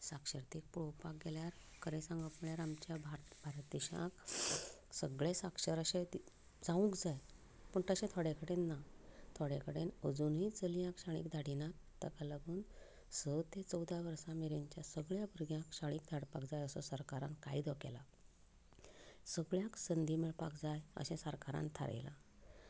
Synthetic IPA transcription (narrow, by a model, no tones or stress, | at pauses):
sakʂəɾt̪ik̚puɽopak̚ɡeljaɾkəɾẽsãŋɡəpməɭjaɾamt͡ɕjabʱaɾbʱaɾt̪d̪iɕã̰k | səɡɭesakʂəɾəɕei | d͡zaũkd͡zaj | pəɳʈəɕẽt̪ʰaɽekəɽenːat̪ʰoɽekəɽenəd͡zunɦiːt͡səljãkɕaɭ̃ḭːkd̪ʱaɽinat̪ | t̪ːəkalaɡuːn | sət̪ẽt͡səwd̪ʱaʋəɾsãmiɾẽɲt͡ɕjasəɡɭjãbuɾɡjãkɕaɽ̃iːkd̪ʱaɽpakd͡zajəsɔsəɾkaɾã̰nkaid̪ʱɔkɛ̰la | səɡɭjãksənd̪ʱimiɭpakd͡zajə̰ɕɛ̃səɾkaɾã̰nt̪ʰa̰ɾḛla